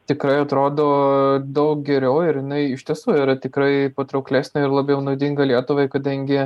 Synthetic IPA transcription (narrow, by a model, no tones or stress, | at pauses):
t̪ʲɪkɾɐɪɐt̪ɾoːd̪oːd̪ɐʊk̚ɡʲɛɾʲɛʊɪɾjɪnɐɪɪʃʲt̪ʲiɛsuːiɾɐt̪ʲɪkɾɐɪpɐt̪ɾɐʊklʲæːsʲnʲɐɪrlˠɑbʲjɛʊnɐʊd̪ʲɪŋɡɐlʲiɛt̪ʊʋɐɪkɐd̪ɐŋʲɡʲɪ